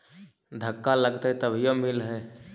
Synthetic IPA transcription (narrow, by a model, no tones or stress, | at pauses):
d̪ʱəkːaləɡt̪et̪əbʱijomilɦɛː